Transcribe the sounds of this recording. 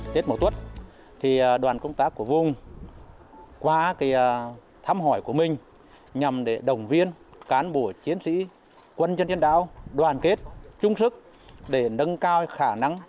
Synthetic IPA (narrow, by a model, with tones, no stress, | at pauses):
t̪e˦˥t̚mo˨˧˩t̪wə˦˥t̚ | t̪ʰiː˨˩˨ɗwaː˨˩nkə˧wŋ͡mt̪aː˦˥kːu˧˩əvʊ˨˩ŋ͡m | kwaː˧ka˨˦j | t̪ʰa˧mɦɔ˧˩jku˧˩əmï˨˩ŋ̟ | ɲa˨˩mɗe˧˩ɗə˨˩wŋ͡mvi˧ənkaː˨˦nɓo˧˩t͡ɕi˨˦ənsḭ˧˥ | kwə˧nt͡ɕə˧nt͡ɕə˧nɗa̰ː˧˥wɗwaː˨˩nke˦˥t̚t͡ɕʊ˧ŋ͡msɨ˦˥k̚ | ɗe˧˩nə˨˧ŋkaː˧wxaː˧˩na˧ŋ